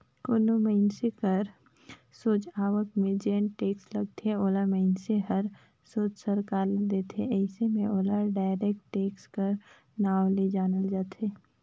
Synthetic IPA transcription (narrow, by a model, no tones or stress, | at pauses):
koloməɪnsekəɾ | soːt͡ʃaːʋəkmẽd͡ʒeːnʈeːksləɡ̚t̪ʰeoːlaməɪnseɦəɐɾ | soːt͡ʃsəɾkaːɾd̪eːt̪ʰḛɛɪsemẽoːlaɾɖaːɪɾek̚ʈʈeːkskəɾ | naːwled͡ʒaːnəld͡ʒaːt̪ʰeː